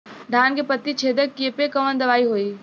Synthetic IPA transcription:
ɖʱaːnkepət̪ːit͡ʃʰeːd̪əkːepekɐʋənd̪ɐʋaːiɦoːiː

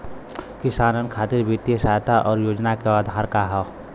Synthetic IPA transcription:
kɪsaːnənkʰaːt̪ɪɾbʱit̪jesaːjt̪aʔɔːɾjoːd͡ʒnakead̪ʱaːɾkaɦɛ

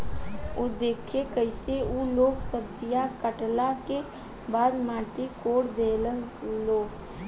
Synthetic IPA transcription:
od̪eːkʰekəɪseuloːɡsəb̚d͡ʒijakəʈlake | baːd̪maːʈekoːɽd̪eləloːɡ

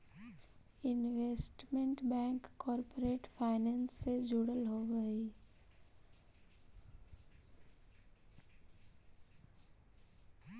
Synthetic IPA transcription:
ɪnʋeːsʈmẽɳʈbɛ̃ːŋkːɔːɾpoɾeːʈpʰaːɪnɛ̃ːnsːed͡ʒuɽəlɦoɡəi

